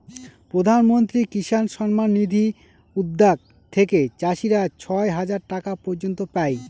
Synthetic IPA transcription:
pɾod̪ʱanmont̪ɾikiʃanʃɔnmanːid̪ʱi | ud̪ːak̚ | t̪ʰeket͡ɕaʃiɾat͡ɕʰɔeɦad͡ʑaɾʈakapɔɾd͡ʑont̪opaj

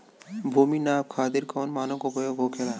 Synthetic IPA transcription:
bʱuːminaːb̚kʰaːt̪ɪɾkoːnmaːnokopojobʱoːkʰela

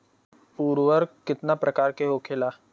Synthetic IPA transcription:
puːɾʋəɾkɪt̪napɾɐkaːɾkeɦokʰeːlaː

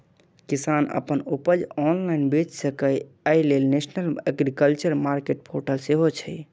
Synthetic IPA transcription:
kisanə̰pənupəd͡ʒɔnlainbet͡ʃsəkəj | əjlelnesnələɡɾikəlt͡ʃəɾmaɾkeʈ̚pʰoɾʈəlseɦot͡ʃʰɛ

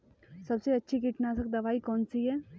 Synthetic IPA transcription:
sɐbseɐtːʃʰik̬iʈʰnaːsɐk̚d̪ɐʋaːikɔːnsiɦɛː

